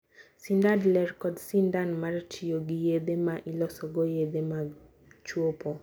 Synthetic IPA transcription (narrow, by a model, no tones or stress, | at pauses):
sindadlɛɾkɔdsindanmart͡ʃʰijoɡijed̪emaʔilɔsɔɡojed̪ema | t͡ʃwopo